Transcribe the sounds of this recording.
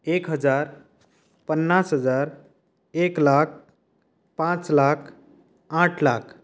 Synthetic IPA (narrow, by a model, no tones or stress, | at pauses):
ekɦəd͡ʒaɾ | pənːasɦəd͡ʒaɾ | eklak̚ʰ | pãt͡slakʰ | ãʈʰlakʰ